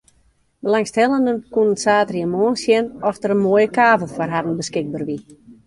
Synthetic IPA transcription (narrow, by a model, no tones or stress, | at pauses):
bəlaŋsthɛlˠəndənkunənsaːtriəmoənsjɛnɔstəɾənmoːjəkaːvəlˠfɔrɦadən̩bəskɪɡ̚bərʋi